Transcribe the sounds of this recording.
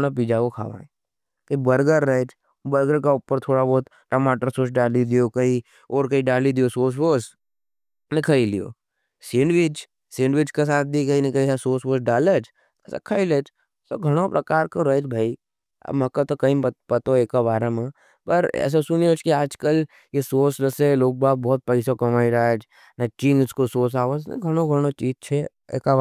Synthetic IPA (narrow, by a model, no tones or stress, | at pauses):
napiːd͡ʒakokʰa̰ːʋã̰ː | kɐibɐɾɡəɾːəet͡ʃʰ | bɐɾɡəɾkaʊpəɾt̪ʰoːɽabɔːt̪ | ʈɐmaːʈəɾsoːsɖaːlid̪ijokɐɦi | ɔːɾkɐiɖaːlid̪ijosoːs̬boːs | nẽkʰɐilḭjo̰ː | siːnɖʋɪt͡ʃ | seːnɖʋɪt͡ʃkas̬aːt̪̚ʰd̪ikɐinẽkɐiasoːsboːsɖaːlət͡ʃʰ | ɛ̰ːsa̰kʰɐilet͡ʃ | t̪o̰ɡʱɐɽ̃opɾɐkaːɾkoɾɐed͡ʒbʱaːi | ɐ̰bmɐkat̪okɐĩpɐt̪oeːkabaːɾamẽ | pɐɾɛ̰ːs̬asʊnijot͡ʃkiaːd͡ʒkəl | jesoːsɾɐseloːk̚baːp̚bɔːt̪̚pɐɪsokɐmaːiɾad͡ʒ | nɐt͡ʃĩːnʊskosoːsaːʋəznɐ̰ɡʱɐɽ̃õɡʱɐɽ̃ot͡ʃiːd͡ʒt͡ʃʰe | ḛːka